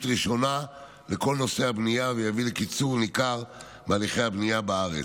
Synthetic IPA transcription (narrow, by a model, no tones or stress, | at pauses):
t̪ʁiʃo̞na | leko̞lno̞sehabnijavejavilekit͡suʁnikaʁ | bealiχejabnijabaaʁḛt͡s